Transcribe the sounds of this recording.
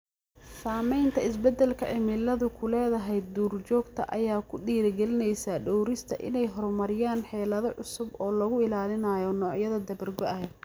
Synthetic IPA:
saːmɛjnt̪ʰɐɪsbɛd̪ɛlkʰɐʕɪmɪlɐðʊkʰʊlɛːðɐɦɛj̪d̪uːrt͡ʃɔːɡt̪ʰɐʔɐjaːkʰʊɖiːɾɡɛlɪnɛjsaɖɔwɾɪst̪ʰɐ̰ʔɪ̰nɛjɦɔrmɐɾɪjaːnħɛːlɐðɔʕʊsʊbɔːlɐɣʊɪlaːlɪnaːjɔnɔːʕjɐðɐd̪ɐβɐrɡɔʔɐɦɛ

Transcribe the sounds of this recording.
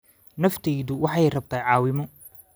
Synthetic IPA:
nɐft̪ʰɛjðʊwɑħɑjrɐb̚t̪ʰaːjʕɑːwɪmɔ

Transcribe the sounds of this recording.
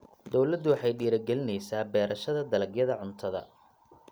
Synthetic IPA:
d̪ɔwlɐd̪ːʊwɑħɑjɖiːɾɐɡɛlɪnɛjsaːbɛːɾɐʃɐðɐd̪ɐlɐɡjɐðɐʕʊnt̪ʰɐðɐ̰

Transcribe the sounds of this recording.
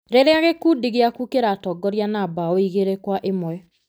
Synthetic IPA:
ɾeɾeaɣekudiɣeakukeɾatɔɡɔɾjanabaoiɣeɾekwaʔemwɛ

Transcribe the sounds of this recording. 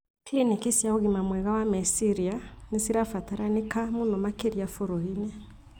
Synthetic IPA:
klinikisjaoɣimamwɛɣawamesiɾianesiɾafataɾanekamunɔmakeɾiafoɾoinɛ

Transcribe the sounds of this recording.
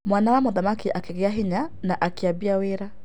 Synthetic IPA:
mwanawamoðamakiʔakeɣeaɦiɲanaʔakiabiaweɾa

